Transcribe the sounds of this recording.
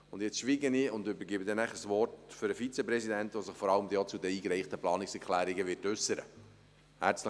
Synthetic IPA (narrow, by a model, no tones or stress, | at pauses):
ʊnd̪jɛt͡sʃʋiːɡəniːʊnd̪ʏbəɾɡɪbəd̪ɛnæχəsʋɔrtfʏɾəfit͡sɛpɾɛsid̪ɛnt̪ʋosəχfɔɾɑləmd̪iɔt͡sud̪əiːkɾɛɪχt̪əplɑːnɪksɛɾkʰlæːɾiɡəʋɪːtʉsːəɾə̰ | hæ̰ɾt͡slə